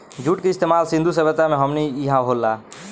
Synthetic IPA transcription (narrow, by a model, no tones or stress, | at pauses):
d͡ʒʱuʈkeist̪emalsĩnd̪ʱusəbət̪ːameɦəmniiɦãɦolːa